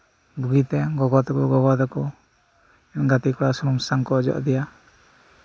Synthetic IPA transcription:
buɡit̪ɛɡɔɡɔt̪ɔkɔɡɔɡɔt̪akɔ | ɛnɡat̪ikɔɽasunumsaŋkɔd͡ʒɔ̰ʔd̪ɛja

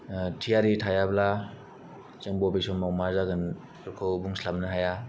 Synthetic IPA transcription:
tʰijaɾitʰajabla | t͡ʃɯŋbobisɔnmawmazaɡɯn | ɾkʰowbuŋslamnɯɦaja

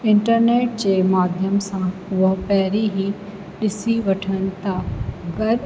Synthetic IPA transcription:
ɪ̃ɳʈəɾneːʈ̚d͡ʑeːmaːd̪ʱjəmsãʊɦpɛːɾiɦi | ɗɪsiʋɐʈʰənɪ̆t̪aːɡɐɾ

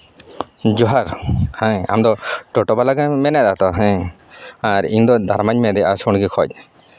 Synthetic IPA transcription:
d͡ʒɔɦaɾhɛ̃a̰md̪ɔʈɔʈɔbalaɡamɛnɛd̪at̪ɔɦɛ̃ | aɾiɲd̪ɔd̪aɾmaɲmɛd̪ɛʔasɔɽɡɛkʰɔ̰c̚ˀ

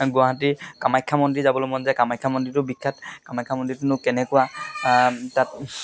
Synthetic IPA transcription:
ɡʊaɦatikamajkʰːamɔntɹizabɔlojmɔnzɛkamajkʰːamɔntɹitʊbikʰːatkamajkʰːamɔntɹitʊnʊkɛnɛkʊwa | tat

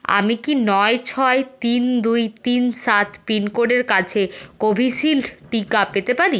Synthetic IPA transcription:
a̰mikinɔet͡ɕʰɔet̪ind̪ujt̪insat̪ʰpinkoɖeɾkat͡ɕʰekobʱisilʈikapet̪epaɾi

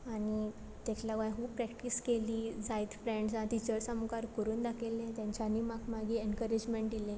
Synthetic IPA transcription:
aɽ̃i | t̪et͡ɕlaɡʋãj̃ɦuːpɾɛkʈiːskeliːd͡zajiːt̪fɾeɳɖsãt̪it͡ɕəɾsəmkaɾkəɾuːnd̪akʰelẽt̪jãɲt͡ɕanːiːmakmaɡiːenkəɾid͡ʑmeɳʈd̪ilẽ

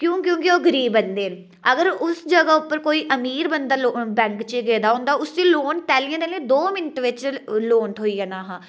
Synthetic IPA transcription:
kjõːkjõːkɪoːɡəɾiːbənd̪eː | əɡəɾʊsd͡ʒəɡaːʊpːəɾkoːiːʔəmiːɾbənd̪aːloːbɛ̃ːŋkt͡ʃeɡɛːd̪aːɦʊ̃ːnd̪aːʊsd͡ʒiːloːnʈ̪ɛːliãːd̪eːləiːd̪oːmɪnʈʋɪt͡ʃloːnʈ̪ɦoːiːɛːnaːɦãː

